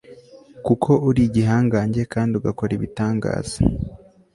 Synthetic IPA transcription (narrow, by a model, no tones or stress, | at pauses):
kukʰo̞ʔuɾiɟiɦaːŋɡaːɲɟe̞kaːndiuɡako̞ɾiβitaːŋɡa̰ːz̥a̰